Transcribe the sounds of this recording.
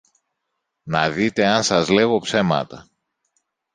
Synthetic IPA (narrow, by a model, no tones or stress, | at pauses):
nɐðit̪e̞ɐnsɐzle̞ɣo̞pse̞mɐ̰t̪ɐ